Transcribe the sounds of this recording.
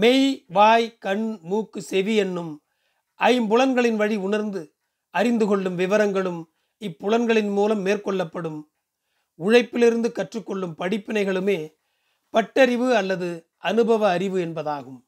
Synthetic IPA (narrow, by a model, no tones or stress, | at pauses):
mɛjʋaːjkɐɳmuːkːɯsɛʋiɛnːɯm | ʔɐjmbʊlɐnɡɐɭɪnʋɐɻiʊɳɐɾnd̪ɯ | ɐɾɪnd̪ɯɣɔɭːɯmʋɪʋɐɾɐŋɡɐɭɯm | ɪpːʊɻɐnɡɐɭɪnmuːlɐmːeːrkɔɭːɐpːɐɽɯm | ʊɻɐɪpːɪlɪɾɯnd̪ɯkɐʈrɯkːɔɭːɯmpɐɽɪpːɪnɐɪɣɐɭɯmeː | pɐʈːɐɾɪʋɯɐlːɐðɯ | ʔɐnɯbɐʋɐːɾɪʋɯɛnbɐðaːɣɯm